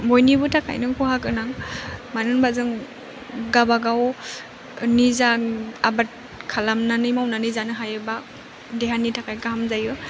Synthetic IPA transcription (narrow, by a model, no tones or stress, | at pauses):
mojnibɯtʰakʰa̰jnɯŋkʰuhakɯnaŋmanɯnbazɯŋ | ɡabaɡaw | nizaabat̚ | kʰalamnanɯjmawnanɯjzanɯɦajɯba | deɦanitʰakʰajkaɦamzajɯ